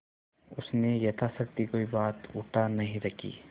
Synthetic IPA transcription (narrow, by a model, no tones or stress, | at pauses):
ʊsnejɐt̪ʰasɐk̚t̪ikoːibaːt̪ʊʈʰanɐɦĩɾɐkʰḭː